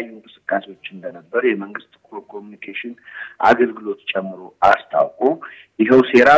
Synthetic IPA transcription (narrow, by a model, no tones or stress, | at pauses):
jːuŋkʼɨsɨ̥kʼːasewo̞t͡ʃːɨnd̪ənəbːəɾjɛməŋɡɨst̪kɾokʰo̞munikʰeʃɪnʔa̰ɡəlɡɨlo̞t̪t͡ʃʼɛmːɨɾo̞ʔast̪ʰa̰wkʼo | jɪɦəwse̞ɾa